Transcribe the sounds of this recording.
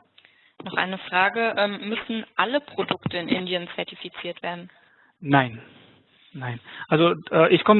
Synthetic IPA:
nɔχʔa̰ɪnəfʁ̥aːɡəʔɛːmːʏsn̩ʔaləpʁ̥odʊktəɪnʔɪ̰ndiənt͡sɛɐtifit͡siːɐtv̥eːɐdn̩ | naɪn | naɪnʔalzoʔɛːʔɪçkʰɔmə

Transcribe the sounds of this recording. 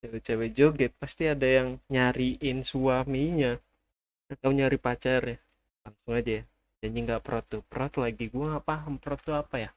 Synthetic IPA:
t͡ʃawɛt͡ʃawɛd͡ʒoɡɛt̪̚past̪iadajaŋɲaɾiʔɪnsuameiɲa | at̪awɲaɾipat͡ʃarja | laŋsʊŋad͡ʒaja | d͡ʒand͡ʒiŋɡapəɾɔt̪ːupəɾɔt̪laɡiɡuaŋɡaʔpaɦampəɾɔt̪ːuapaja

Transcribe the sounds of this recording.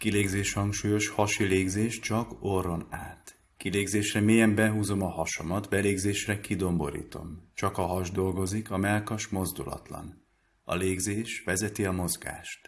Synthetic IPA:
kileːɡzeːʃhɒŋkʃuːjo̞ʃhɒʃileːɡzeːʃt͡ʃɒkorːo̞naːt̪ | kileːɡzeːʃrɛmeːjɛmbɛɦuːzo̞mɒhɒʃo̞mɒt̪bɛleːɡzeːʃrɛkid̪o̞mbo̞̰ɾḭːt̪o̞̰mt͡ʃɒkɒɦɒʒd̪o̞lɡo̞zikɒmɛlkɒʃmo̞zd̪ulɒ̰t̪lɒ̰n | ɒ̰leːɡzeːʃʋɛzɛt̪iɒmo̞zɡa̰ːʃt̪

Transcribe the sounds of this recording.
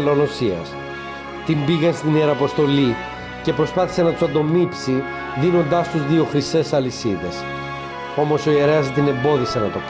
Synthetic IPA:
lo̞no̞siɐ̰s | t̪imbiɣenst̪ineɾɐpo̞st̪o̞li | ce̞pɾo̞spɐθi̥se̞nɐt̪u̥sɐnd̪o̞mipsi | ðino̞nd̪ɐst̪uzðio̞xɾist̪e̞sɐlisiðe̞s | o̞mo̞so̞ie̞ɾe̞ɐst̪ine̞mbo̞ðise̞nɐt̪o̞k

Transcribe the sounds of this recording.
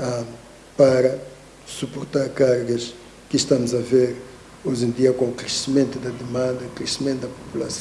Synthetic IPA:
a | paɾɐ | supoɾt̪aɾkaɾɡɐʃ | kɪʃt̪amʊzɐveɾ | oʒẽnd̪iɐkõukɾesimẽnt̪ud̪ɐd̪emãnd̪ɐukɾesimẽnt̪d̪ɐpu̥pulɐs

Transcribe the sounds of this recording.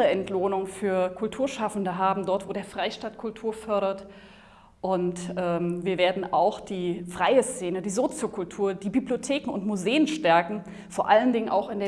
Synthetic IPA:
əɛntloːnʊŋfyːɐkʰʊltʰuːɐʃafn̩dəɦaːbm̩dɔɐtv̥oːɾeːɐfʁ̥aɪʃtaːtkʰʊltʰuːɐfœɐɾɐt | ʔʊntʔɛːmviːɐveːɐdn̩ʔaʊxd̥iːfʁ̥aɪəst͡seːnədiːzoːt͡sjokʰʊltʰuːɐdiːbibliotʰeːkŋ̩ʊntmuzeːənʃtɛɐkŋ̩ | foːɐʔaləndɪŋənʔa̰ʊxɪndeːɐ

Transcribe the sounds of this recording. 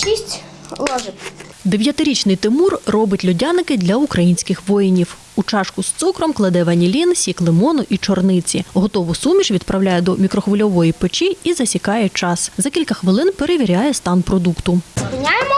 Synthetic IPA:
ʃisʲtʲ | lˠɔʒɪ | d̪e̞ʋʲjɐt̪ɪɾʲit͡ʃnɪjt̪ɪmurːɔbɪtʲlʲʊdʲanɪkɪd̪lʲɐukɾɐjinʲsʲkɪxʋɔjinʲiw | ut͡ʃɑʃkʊst̪sukɾɔmklˠɐd̪ɛʋɐnʲilʲinsʲiklˠɪmɔnɔʔit͡ʃɔrnɪt͡sʲiɦɔt̪ɔʋʊsumʲit͡ʃʋʲid̪pɾɐwlʲajɛd̪ɔmʲikɾɔxʋʊlʲɔʋɔjipet͡ʃiizɐsʲikɑjɛt͡ʃɑszɐkʲilʲkɐxʋɪlˠɪnpe̞ɾeʋʲiɾʲɑjɛst̪ɑnpɾɔd̪ukt̪ʊzpʲɪnʲajemɔ

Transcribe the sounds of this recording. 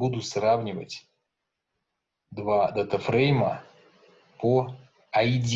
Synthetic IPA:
ud̪ʊsravnʲɪvə̰tʲ | d̪vad̪ət̪əfɾɛjmə̰ | po | ɐidʲ

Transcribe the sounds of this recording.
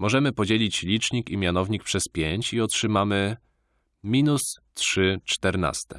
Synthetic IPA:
mɔʐɛmɘpɔd͡ʑelʲit͡ɕlʲit͡ʂɲikimʲjanɔvɲik̚pʂɛspʲjeɲt͡ɕiɔtʂɘmamɘ | mʲinustʂɘt͡ʂt̪ɛɾna̰st̪ɛ

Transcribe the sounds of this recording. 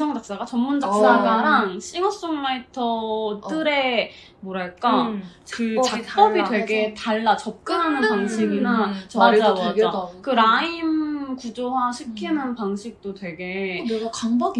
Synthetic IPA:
sʰʌŋd͡ʑak̚s͈aɡat͡ɕʌmːund͡ʑak̚s͈aɡaɾaŋɕ͈ʰiŋʌs͈oŋmaitʰʌt͈ɯɾe̞ | moɾaɭk͈at͡ɕkɯt͡ɕaʌbitwe̞ɡetaɭːat͡ɕʌp̚k͈ɯnɦanɯnpaŋɕʰiɡinat͡ɕmad͡ʑaakɯɾaimkud͡ʑowaɕʰikʰinɯnpaŋɕʰik̚t͈otwe̞ɡe̞kaŋbaɡ

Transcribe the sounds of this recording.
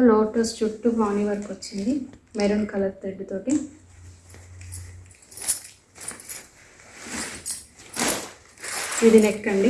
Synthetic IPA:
loːʈɐst͡ʃuʈːubaːniʋɐɾɐkuʋɐt͡ʃːind̪imeɾunkɐlɐɾt̪ːɐɖːit̪o̞ːʈi | id̪inekʈɐɳɖi

